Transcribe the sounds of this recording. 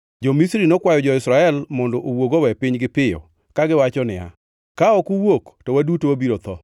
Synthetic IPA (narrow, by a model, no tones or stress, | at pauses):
d͡ʒomisɾinokwajɔd͡ʒɔɪsɾaɛlmɔndɔʔowoɡowɛpɪɲɡɪpɪjɔ̰ | kaɡɪwat͡ʃɔnɪa̰ | kaɔkuwoktɔwadutowabiɾot̪ɔ